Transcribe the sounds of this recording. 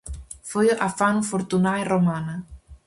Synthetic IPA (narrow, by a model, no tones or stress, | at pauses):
fujoʔafanufoɾt̪unairomana